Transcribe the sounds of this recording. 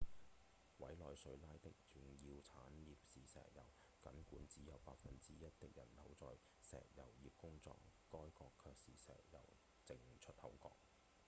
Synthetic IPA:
wɐ˨˥jlɔː˨jsɵ˧ɥlaː˥jt̪ɪ˥k̚t͡sy˨ŋjiː˧wt͡sʰaː˨˥njiː˨p̚siː˨˩sɛ̰ː˨˩jɐ˨˩w | kɐ˨˥nkuː˨˥nt͡siː˨˥jɐ˨˧wpaː˧k̚fɐ˨nt͡siː˥jɐ˥t̚t̪ɪ˥k̚jɐ˨˩nlɐ˨˥wt͡sɔː˧j | sɛ̰ː˨˩k̚jɐ˨˩wjiː˨p̚kʊ˥ŋt͡sɔ̰ː˧kːɔː˥jkɔː˧kʰːœː˧k̚siː˨˩sɛ̰ː˨˩jɐ̰˨˩w | t͡sɪ˨˩ŋt͡ʃʰɵ˥t̚hɐ̰˨˥wkɔ̰ː˧k̚

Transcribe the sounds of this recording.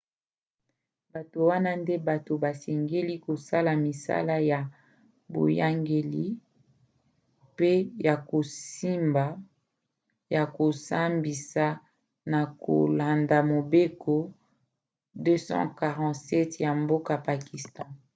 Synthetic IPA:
ba˨to˨wa˦na˦nde˦ba˨to˨ba˨se˨ŋɡe˦li˦ko˨sa˦la˨mi˨sa̰˦la˦ja˨ | bo̰˨ja˦ŋɡe˨li˦ | pe˦ja˨ko˨si˦mba˨ | ja˨ko˨sa˦mbi˨sa˨ | na˨ko̰˨la˨nda˨mo˨be˦kʰo˦ | dø˦sɑ̰̃˦ka˨ʁɑ̃˨tsɛ˦tja˨mbo˦ka˨pa˨ki˨stɔ̃˦

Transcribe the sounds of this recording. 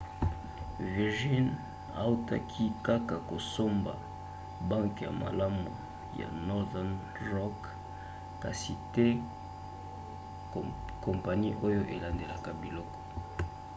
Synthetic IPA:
vi˨ʁʒi˦n | a̰˨u˦ta̰˦kʰi˦ka˦ka˨ko˨so˦mba̰˨ | ba˦ŋkja̰˨ma̰˨la˦mu˨ | ja̰˨nɔ˦ʁdɛ˦n | ʁɔ˦k | ka˨si˨te˦ | ko˨mpa˨ni˦ʔo˦jo˦ʔe˨la˨nde˨la˨ka˨bi˨lɔ˦kɔ̥˨

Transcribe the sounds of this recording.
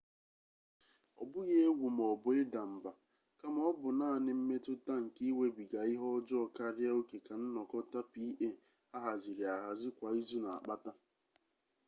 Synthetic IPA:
ɔ˨bʊ˦ɣe˦e˦ɡʷu˨m̩˨ɔ˨bʊ˨ɪ˦da˨m̩˨ba˨ | ka˦m˦ɔ˦bʊ˨naː˦˨nɪ˦m̩˦me˦tʊ˦ta˦ŋ̩˨ki˦we˦bi˨ɡa˨ɪ˦ɦɔ˦ɔ˦d͡ʒʊ˦ɔ˨ka˦ɾja˦o˦ke˨ka˨n̩˦nɔ˨kɔ˦ta˦pi˦ʔe˦˨ | a˦ɦa˨zi˨ɾja˨ɦa˨zɪ˦kʷa˨i˦zu˦na˨a̰˨k͡pa˦ta˦

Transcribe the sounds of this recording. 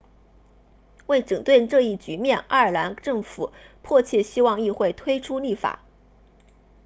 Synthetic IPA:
we˥˩ɪʈ͡ʂɤ˨˩ŋt̪we˥˧ɪʈ͡ʂɤ˥˧i˥˩t͡ɕy˧˥mjɛ˥˩nʔa˥˧˩ə˞˨˩la˧˥nʈ͡ʂɤ˥˩ŋfu˨˩˦pʰwɔ˥˧t͡ɕʰjɛ˥˩ɕi˥wɑ˥˧ŋi˥˧xwe˥˩ɪt̪ʰwe˥ɪʈ͡ʂʰu˥li˥˩fa̰˨˩˦

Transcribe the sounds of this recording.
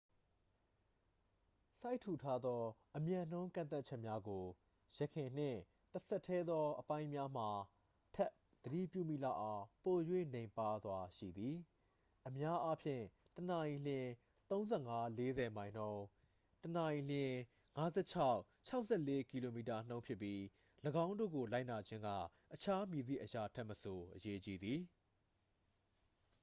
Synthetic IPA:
sa˦ɪtʰu˨tʰa˦d̪ɔ˦ʔəmjã˨n̥õ˦ʊ̃ŋkã˨t̪̬a˦t̚t͡ɕʰɛ˦ʔmja˦ɡo˨ | jɛ˦˨kʰɪ̃˨n̥ɪ̰̃˦˨ | təsʰɛ˦˨tʰːɛ˦d̪ðɔ˦ʔəpã˦ɪ̃mja˦m̥a˨ | tʰɛ˦ʔ | d̪̥əɾḭ˦˨pjṵ˦˨mḭ˦˨la̰˦˨ʔã˨ʊ̃po˨jwḛ̃˦˨nẽ˨ɪ̃mpa˦˨zwa˨ʃḭ˦˨d̪ði˨ | ʔəmja˦ʔa˦pʰjɪ̰̃˦˨ | tənã˨j̃l̥ɪ̃˨ | t̪õ˦ʊ̃nzɛ˦˨ŋa˦le˦zɛ˨mã˨ɪ̃n̥õ˦ʊ̃ | tənã˨j̃l̥ɪ̃˦ | ŋa˦zɛ̰˦˨t͡ɕʰa˦ʊʔ | t͡ɕʰa˦ʊʔsɛ˦˨le˦ki˨lo˨mi˨ta˨n̥õ˦ʊ̃pʰjɪ˦˨pːji˦ | ləɡã˦ʊ̃ndo̰˦˨ɡo˨la˦ɪʔna˨d͡ʑɪ̃˦ŋɡä̰˦˨ | ʔət͡ɕʰa˦mji˨d̪ḭ˦˨ʔəja˨tʰɛ˦ʔməso˨ʔəje˦t͡ɕi˦d̪i˨

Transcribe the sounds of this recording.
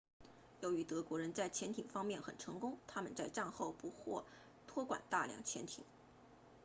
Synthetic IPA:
jo˧˥ʊy˧˥t̪ɤ˧˥kwɔ˧˥ɻə˧˥nt͡sa˥˩ɪt͡ɕʰjɛ˧˥nt̪ʰi˨˩ŋfɑ˥ŋmjɛ˥˩nxə˨˩nʈ͡ʂʰɤ˧˥ŋkʊ˥ŋt̪ʰa˥mə˨nt͡sa˥˧ɪʈ͡ʂa˥˧nxo˥˩ʊpu˧˥xʰwɔ̰˥˩ | t̪ʰwɔ˥kwa̰˨˩nt̪a˥˩ljɑ̰˧˥ŋt͡ɕʰjɛ˧˥nt̪ʰḭ˨˩˦ŋ

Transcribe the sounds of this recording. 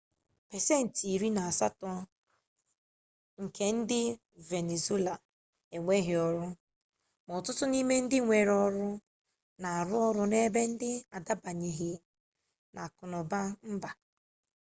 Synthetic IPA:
pe˨se˦˨n̩˨ti˨ɾi˦na˨a˨sa˦tɔ˦ | ŋ̩˨kʰe˦n̩˦dɪ˦ | ve˨ne˨ze˦la˨ | e˨ŋʷe˦ɦɪ˨˦ɔ˦ɾʊ˦ | mɔ˨tʊ˦tʊ˦ni˦me˦n̩˦dɪ˦ŋʷe˨ɾɔ˦ɾʊ˦ | na˨a˨ɾʊ˦ɔ˦ɾʊ˦ne˦be˦n̩˦dɪ˦a˨da˦ba˨ɲe˨ɦɪ˨ | nʔa˨kʊ˨nɔ˨ba˦m̩˦ba˨

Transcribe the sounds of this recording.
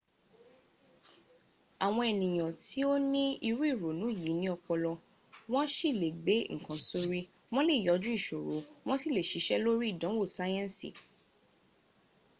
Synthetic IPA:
a˨w̃ɔ̃˧e˨nĩ˨j̃ɔ̃˨ti˨˦o˦nĩ˦i˧ɾu˦i˦˨ɾo˨nũ˨˦˨ji˨˦nĩ˦ɔ˧k͡pɔ˧lɔ˧ | w̃ɔ̃˦ʃi˦˨le˨ɡ͡be˨˦ŋ̩˨kã˨˦so˧ɾi˧ | w̃ɔ̃˦le˦˨jɔ˨˦d͡ʒũ˦i˦˨ʃo˨ɾo˨˦w̃ɔ̃˦si˦˨le˨ʃi˨˦ʃɛ˦lo˦ɾi˦i˦˨dɔ̃˨˦wo˦˨sa˦jɛ̃˦nsḭ˦˨

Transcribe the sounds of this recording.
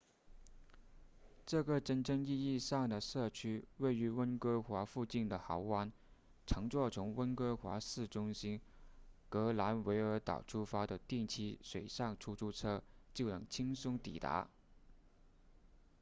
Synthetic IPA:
ʈ͡ʂɤ˥˩ɡə˩ʈ͡ʂə˥nʈ͡ʂɤ˥˧ŋi˥˧i˥˧ʂɑ˥˩ŋd̪ə˩ʂɤ˥˩t͡ɕʰy˥we˥˩ɪy˧˥wə˥nkɤ˥xwa˧˥fu˥˧t͡ɕi˥˩nd̪ə˩xɑ˧˥ʊwa˥n | ʈ͡ʂʰɤ˧˥ŋt͡swɔ˥˩t͡sʰʊ˧˥ŋwə˥nkɤ˥xwa̰˧˥sɹ̩˥˩ʈ͡ʂʊ˥ŋɕi˥n | kɤ˧˥la˧˥nwe˧˥ɪə˞˧˥t̪ɑ̰˨˩ʊʈ͡ʂʰu˥fa˥d̪ə˨t̪i˥˩ŋt͡ɕʰi˥ʂwe˨˩ɪʂɑ˥˩ŋʈ͡ʂʰu˥ʈ͡ʂʰu˥˩ʈ͡ʂʰɤ˥t͡ɕjo˥˩ʊnɤ˧˥ŋt͡ɕʰi˥ŋsʊ˥ŋt̪ḭ˨˩t̪a̰˧˥

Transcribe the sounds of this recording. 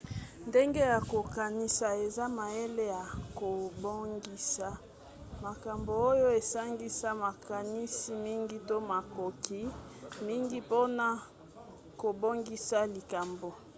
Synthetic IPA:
nde˦ŋɡe˦ja˨ko˨ka˨ni˦sa˨e˨za˦ma˨e˦le˦ja˨ko˨bo˦ŋɡi˦sa˨ | ma˨ka˨mbo˨o˦jo˦e˨sa˦ŋɡi˦sa˦ma˨ka˨ni˦si˦mi˦ŋɡi˦to˦ma˨ko˨ki˦ | mi˦ŋɡi˦po˦na˨ | ko˨bo˦ŋɡi˦sa˦li˨ka˨mbo˨

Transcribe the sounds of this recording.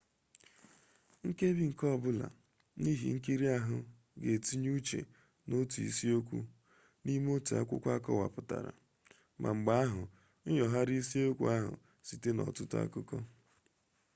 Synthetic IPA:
ŋ̩˦ke˦bi˦ŋ̩˨kɔ˦˨bʊ˦la̰˨ | ni˦ɦḭ˨ŋ̩˦ki˦ɾi˦a˦ɦʊ˦ | ɡe˨ti˦ɲ˦u˦t͡ʃe˨ | no˦tu˨ḭ˦si˦o˦kʷṵ˦ | ni˦m˦o˦tu˨a̰˦kʷʊ̰˦kʷa˦kɔ˦wa˨pʊ˨ta̰˨ɾa̰˨ | mʔa̰˨ŋ͡m̩˨ɡ͡ba˦a˦ɦʊ˨ | n̩˦jɔ˨ɦa˦ɾi˦si˦o˦kʷṵ˦a˦ɦʊ̰˨ | si˨te˦nɔ̰˨tʊ˦ta̰˦kʊ˦kɔ˦

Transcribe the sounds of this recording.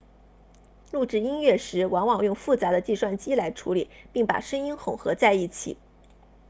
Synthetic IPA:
lu˥˧ʈ͡ʂɻ̩˥˩i˥nɥɛ˥˩ʂɻ̩˧˥wɑ˧˥ŋwɑ˨˩ŋjʊ˥˧ŋfu˥˩t͡sa˧˥d̪ə˧t͡ɕi˥˧ʂwa˥˩nt͡ɕi˥la˧˥ɪʈ͡ʂʰu˧˥li˨˩˦pi˥˩ŋpa̰˨˩ʂɤ˥ŋi˥nxʊ˨˩ŋxɤ˧˥t͡sa˥˧ɪi˥˩t͡ɕʰḭ˨˩˦

